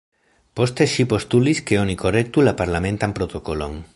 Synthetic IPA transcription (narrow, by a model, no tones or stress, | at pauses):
po̞st̪e̞ʃipo̞st̪uliske̞o̞niko̞re̞k̚t̪ulapaɾlame̞nt̪ampɾo̞t̪o̞ko̞lo̞̰n